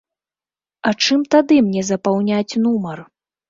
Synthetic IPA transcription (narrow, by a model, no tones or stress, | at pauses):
ɐt͡ʂɨmt̪ad̪ɨmnʲɛzɐpawnʲat͡sʲnumɐr